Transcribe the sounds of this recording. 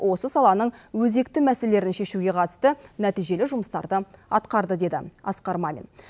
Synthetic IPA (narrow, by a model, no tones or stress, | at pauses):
wo̞səsɑlˠɑnəɴwɵze̞kt̪ɪmæselele̞ɾɪnʃe̞ʃuɡʲe̞qʰɑt̪ə̥st̪ənæt̪ijʒe̞lɪʒʊməst̪ɑ̰ɾd̪əɑt̪qɑɾd̪əd̪e̞d̪ɪ̰ɑ̰sqɑɾmɑmʲḛn